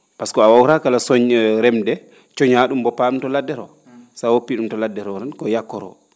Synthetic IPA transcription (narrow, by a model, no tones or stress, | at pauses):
paskɔawawɾakalasɔɲɾɛmdɛ | t͡ʃɔɲaɗumbɔpatɔladːɛɾɔ̰ | sawopːiɗumtɔladːɛɾɔnankɔjakːɔɾɔ̰